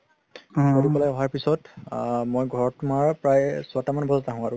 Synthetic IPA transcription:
ɔlukɔlajɔɦaɹpisɔtmojɡʱɔɹɔtumaɹpɹajstamanbɔzataɦũaɹʊ̃

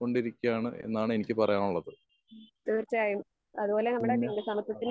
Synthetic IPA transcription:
o̞ɳɖiɾikʲːaːɳɨḛnːaːɳɨe̞nikʲːɨpɐrɐjaːmuɭːɐðɨ | t̪ert͡ɕːɨaːjum | ɐðubo̞ːle̞nɐmːɐɽeʈːiŋːɐɖesɐmɐpːiʈːin

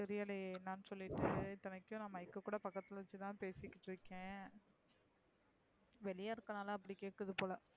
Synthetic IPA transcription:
sɛɾɪjalɐnaːnsɔlːɪʈːɯɪt̪ːɐnɐkːjʊ̃nɐːmːɐɪkːɐkːuːɽɐpɐkːɐt̪ːɪlɐʋɐt͡ʃːɯt̪ãːpeːsɪkːɪʈːɾɯkːẽː | ʋɛlɪjaːɪɾɯkːɐnaːlɐ̃ːɐpːɐɽikeːʈkɐðɯpoːlɐ

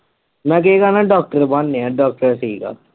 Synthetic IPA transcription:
mɛ̃ːk̬eɡaːnaɖɔːk̚ʈəɾbanːẽaːɖɔːk̚ʈəɾsəiːka̰ː

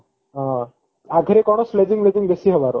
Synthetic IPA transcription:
ɦã | aɡʱəɾekɔɽ̃osled͡ʑiŋled͡ʒiŋbesiɦɔbaɾ

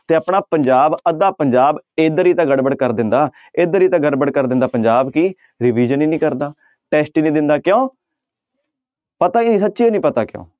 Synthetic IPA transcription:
t̪eːəpɳaːpəɲd͡ʒaːbəd̪aːpəɲd͡ʒaːbed̪əɾiːt̪ãːɡəɽbəɽkəɾd̪ɪnd̪aː | ed̪əɾiːt̪ãːɡəɽbəɽkəɾd̪ɪ̃nd̪aːpəɲd͡ʒaːbkiː | ɾɪʋiːd͡ʒəniːnĩːkəɾd̪aː | ʈɛːsʈiːnĩːd̪ɪnd̪aːkjõː | pət̪aːiːnĩːsətːʃiːõːnĩːpət̪aːkɪjõ̰ː

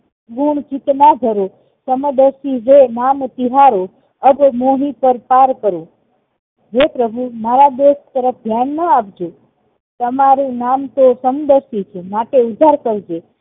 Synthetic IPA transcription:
ɡuɳt͡ʃɪt̪nad̪ʱəɾo | səməd̪əɾsiɾenamt̪iɦaɾo | əbmoɦipəɾpaɾkəɾũ | ɦepɾəbʱumaɾad̪eʃt̪əɾəfʰd̪ʱjanːəap̚d͡ʒo | t̪əmaɾũnamt̪osəmd̪əɾʃit͡ʃʰemaʈeud̪ʱaɾkəɾd͡ʒe

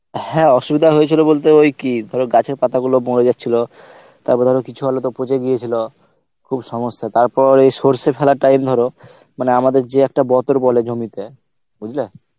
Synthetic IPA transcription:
hɛ̃ɔʃubid̪ʱaɦojet͡ɕʰilobolt̪̬eojkid̪ʱɔɾoɡat͡ɕʰeɾpat̪aɡuloboɾed͡ʑat̪ːɕʰilo | t̪a̰ɾpɔɾd̪ʱɔɾokit͡ɕʰuɦalot̪opot͡ɕeɡijet͡ɕʰilo | kʰubʃɔmoʃːat̪aɾpɔɾejsoɾsepʰɛlaʈajmd̪ʱɔɾo | maneamad̪eɾd͡ʑeɛk̚ʈabɔt̪oɾbɔled͡ʑʱomit̪e | bud͡ʑʱle

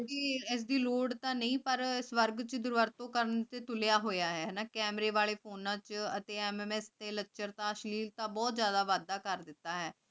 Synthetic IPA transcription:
kiɪs̬d̪iːloːɖt̪ãːnəĩːpəɾɪsʋəɾɡt͡ʃd̪ʊɾʋəɾt̪õːkəɾənt̪eːt̪ʊlejaːɦoːjaːɦɛːɦɛːnaːkɛːmɾeːʋaːleːpʰoːnãːt͡ʃət̪eːɛmɛːmɛːst̪eːləkːʃəɾt̪ãːəʃliːlt̪ãːbɔːt̪zjaːd̪aːʋaːd̪ːaːkəɾd̪ɪt̪ːaːɦɛː

